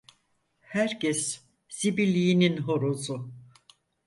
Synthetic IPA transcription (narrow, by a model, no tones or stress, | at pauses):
hæɾcɛs | z̥ibilʲːiininɦoɾozu